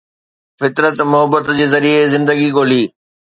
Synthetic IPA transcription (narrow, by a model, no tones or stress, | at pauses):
fɪt̪ɾət̪mʊɦəbət̪d͡ʑeːzɐɾiezɪ̃nd̪əɡiɠoːliː